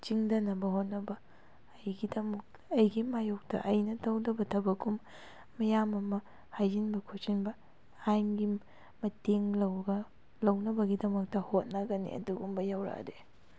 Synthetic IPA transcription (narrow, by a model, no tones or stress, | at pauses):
t͡ʃiŋdɐnɐbɐhot̚nɐbɐː | jɡidɐmɐk̚ | ɐjɡimajok̚tɐ̰ʔɐjnɐtɐwdɐbɐtʰɐbɐkumː | ɐjamɐmɐ | hajd͡ʒinbɐkʰot͡ʃinbɐ | aŋɡi | mɐteŋlɐwɡɐ | lɐwnɐbɐɡidɐmɐk̚tɐhot̚nɐɡɐnḭɐ̰duɡumbɐjawɾa̰de